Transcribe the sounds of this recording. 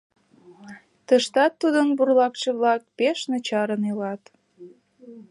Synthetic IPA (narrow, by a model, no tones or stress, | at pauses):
t̪əʃt̪ɑt̪ːud̪ənburlɑkʃĕβlɑk̚peʃnət͡ɕɑɾənelɑt̪